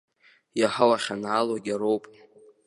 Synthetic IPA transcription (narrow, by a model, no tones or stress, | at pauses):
jaħawaχʲanʕalwaɡʲaɾowpʼ